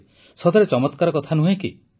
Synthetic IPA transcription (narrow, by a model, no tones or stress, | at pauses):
sɔd̪ʱɔɾet͡ʃɔmɔt̪kaɾɔkɔt̪ʰanuɦẽki